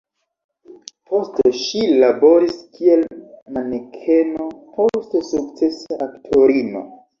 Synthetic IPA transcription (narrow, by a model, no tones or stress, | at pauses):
pʰo̞steʃilabo̞ɾiskie̞lmanekʰe̞no̞pʰo̞stesukt͡se̞saʔaktʰo̞ɾino̞̰